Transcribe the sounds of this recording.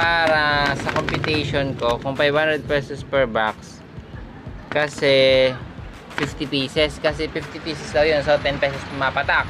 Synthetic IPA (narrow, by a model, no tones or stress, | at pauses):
paːɾɐsɐkompjʊt̪ɛjʃonko̞kʊŋpajhãnd̪ɾɛd̪̚pɛsospɛɹbaks | kɐsɛ | fift̪ɪpiːsɛskɐsɛfift̪ɪpiːsɛslɐjonsot̪ɛnpɛːsospʊmaːpɐt̪ak̚